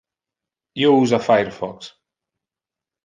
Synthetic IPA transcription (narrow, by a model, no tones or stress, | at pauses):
jouzafajɾfɔks